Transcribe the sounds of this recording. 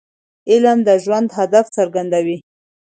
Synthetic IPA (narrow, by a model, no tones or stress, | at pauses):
ɪlmd̪əʒwand̪ɦad̪aft͡səɾɡand̪awi